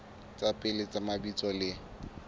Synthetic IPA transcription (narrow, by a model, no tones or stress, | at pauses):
t͡sʼapʼɪlɪt͡sʼamabit͡sʼɔlɪ